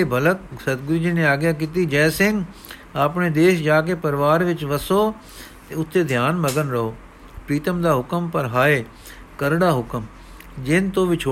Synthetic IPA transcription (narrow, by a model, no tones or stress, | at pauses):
ebʱɐlək̚sɐt̪̚ɡʊɾid͡ʒinẽaːɡjaːkit̪id͡ʒɛːsɪ̃ŋɡ | aːpɳed̪eːʃd͡ʒaːk̬epɐɾʋaːɾʋɪt͡ʃʋəsoː | t̪eʊt̪ʰːed̪ʱjaːnməɡənɾəɦoː | pɾiːt̪əmd̪aːɦʊkəmpəɾɦaːeː | kəɾɽaːɦʊkəm | d͡ʒeːnt̪oːʋʱit͡ʃʰoː